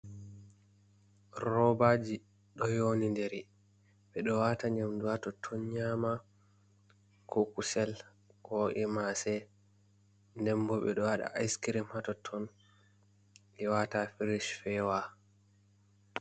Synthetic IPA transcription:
rɔbad͡ʒi | ɗɔjonindɛɾi | ɓɛɗɔwataɲamduatɔtʰːɔnɲama | kɔkusɛl | kɔʔimasɛ | ndɛmbɔɓɛ̰ɗɔwaɗa̰ʔːjskiɾimhatɔtʰːɔn | ʔɛwatafiɾiʃfɛwa

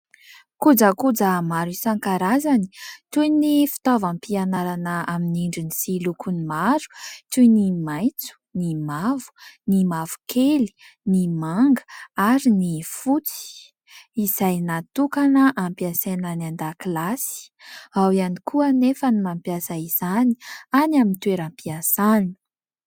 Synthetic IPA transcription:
kud͡zəkud͡zamaɾisaŋkaɾazani̥t̪ujnifi̥t̪ovampianaɾanəaminiɳɖ͡ʐinisilukunimaɾu̥t̪ujnimajt͡su̥nimavu̥nimavu̥kʰeli̥ | nimaŋɡə̥aɾinifut͡si̥i̥ | izajnat̪ukanəʔampiasenanand̪akilasi̥awianikʰuənefənimampjasaiz̥anianamint̪weɾampiasan

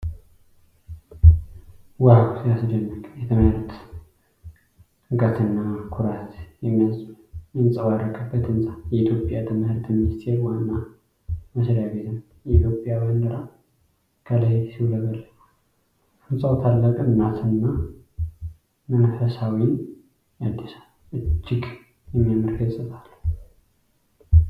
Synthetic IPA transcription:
wahaksjasd͡ʒɛnːəɡʼjɛt̪ʰəməhɾt̪ | ɡət̪ʰɨnːakʰuɾat̪jɛmːijasʼu | jɨnsʼəwaɾəɡʰəbːət̪ɨnsʼajɛit̪ʰjo̞pʼjat̪ʰəməhɾt̪mɪnst̪ʰeɾwanːa | məsɾjabet̪ʰɨn | jɛit̪ʰjo̞pʼjawənd̪ɨɾa | kʰəlajsiwləβəlːə | ɨnsʼəwt̪ʰalːəkʼɨnːat̪ʰɨnːa | mənfəsawin | ad̪ːis | ʔɨt͡ʃːɪɡ | jɛmːijamɨɾɡəsʼɨt̪ʼal

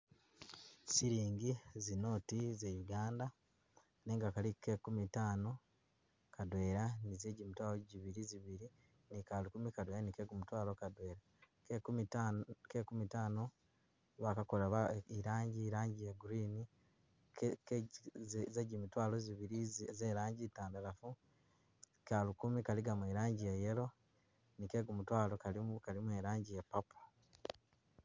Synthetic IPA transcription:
siɾiːŋɡizino̞ːtizejuɡaːnda | ne̞ːŋɡakalikekumitaːno̞ | kadwe̞ːɾanizeːɟimitwaːloɟiβiɾiziβiɾi | nikalikumikadweːɾanikeɡumutwaːlokadwe̞ːɾa | kekumitaːno | βakakolaβaiɾaːɲɟiːɾaːɲɟijeɡuɾiːni | zeɟimitwaːloziβiɾizeːɾaːɲɟitaːndalafu | kalukumikaliɡamweːɾaːɲɟijeje̞lo̞ | nike̞ːɡumutwaːlokalikalimweɾaːɲɟijepːapu̥

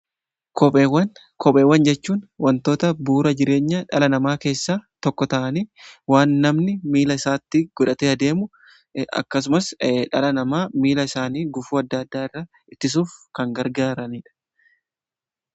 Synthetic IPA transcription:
kʰɔewɐn | kʰɔpʼeːwːɐnd͡ʒɛt͡ʃːuːnwɐnt̪o̞ːt̪ɐbuːɾɐd͡ʒɪɾe̞ːɲːɐᶑɐlɐnɐmaːke̞ːsːaːt̪ɔkːɔt̪ɐʔɐniːwaːnːɐmnɪmiːlɐɪsaːt̪ːɪɡ̥ɔᶑɐt̪ɛɐd̪e̞ːmʊ | ɐ̰kːɐs̬ʊmɐsᶑɐlɐnɐmaːmiːlɐɪsaːniːɡʊfuːɐd̪ːɐɐd̪ːaːɪrːa | ɪt̪ːɪs̬uːfkɐŋɡɐɾɡaːɾɐniːᶑɐ̥

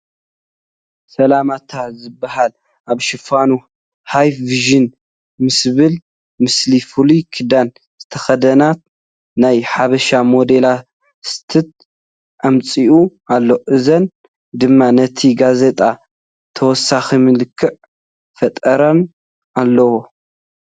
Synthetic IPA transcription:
sɐlamat̪ʰazɨbːahal | ʔaβʃɨfanu | hajfviʒɨn | mɨsβɨl | mɨslifɨlukʰɨd̪an | z̥ɨt̪ʰɐxɐd̪ɐnat̪̚ | najħaβɐʃamo̞d̪e̞la | st̪ʰɨt̪̚ | ʔamt͡sʼiʔuʔalːoʔɨzɐn | d̪ɨmːanɐt̪ʰiɡaze̞t̪ʼa | t̪ʰɐwɔsːaximɨlɨkʰːɨʕ | fɐt̪ʼɐɾɐn | ʔalːɐwo

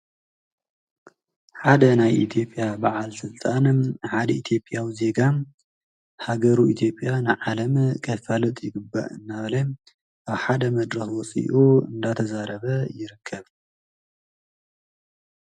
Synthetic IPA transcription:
ħad̪ɐnajʔit̪ʰjo̞pʼjabaʕalsɨlt̪ʼanħad̪ɐit̪ʰjo̞pʼjawize̞ɡam | haɡɐɾuit̪ʰjo̞pʼːjanɨʕalɐmkʰʼɐfalɨt̪ʼjɪɡɨbːa̰ʔɨnːaβlɐ | ʔaβħad̪ɐmɐd̪ɾɐxwɔsʼḭʔuɨ̰nd̪at̪ʰɐzaɾɐβɐjɪɾɨkʰːɐβ

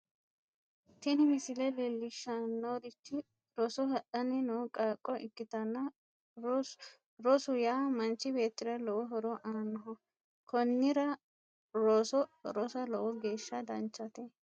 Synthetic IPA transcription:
t̪ɪnɪmɪsɪlɛlɛlːɪʃːɐnoːd̪ɪt͡ʃːɪ | ɾɔsɔɦɐʔɐnɪnokʼaːkʼːɔʔɪkːɪt̪ɐnːɐ | ɾɔsʊjaːmɐnt͡ʃːɪbe̞ːt̪ːɪɾɐlɔwɔɦɔɾɔʔaːnːɔɦɔ | kʰɔnːɪɾɐ | ɾosɔɾɔsɐlɔwɔɡe̞ːʃːɐd̪ɐnt͡ʃːɐt̪eɛ

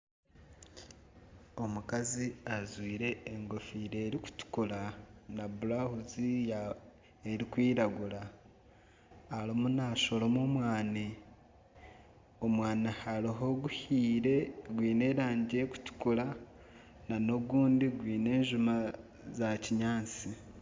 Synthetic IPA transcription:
o̞mukaziazwiːɾe̞ːŋɡo̞fiːɾeːɾiku̥tu̥kulanabulahuzija | eɾikwiːɾaɡula | alomunaːʃo̞lomomwaːni | omwaːnahaɾiɦo̞ɡuhiːɾe̞ɡwiːne̞ːɾaːɲɟeku̥tu̥kula | nano̞ɡuːndiɡwiːne̞ːɲʒuma | zaciɲaːnt͡si

